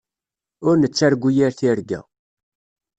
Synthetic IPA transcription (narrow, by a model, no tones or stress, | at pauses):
ʊɾnət͡sːæɾɡʷujiɾθiɾɡæ̰